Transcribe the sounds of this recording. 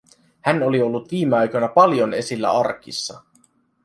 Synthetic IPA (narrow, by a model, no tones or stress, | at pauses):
hæno̞lio̞lːut̪ʋiːmeɑjkojnɑpɑljo̞ne̞silːæ̰ɑrkḭsːɑ